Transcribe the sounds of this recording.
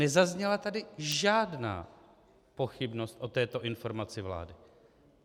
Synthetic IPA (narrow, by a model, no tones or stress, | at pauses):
nɛzazɲɛlat̪adɪʒaːdna̰ː | po̞xɪbno̞st̪ʔo̞t̪ɛːt̪o̞ʔɪnfo̞ɾmat͡sɪvla̰ːdɪ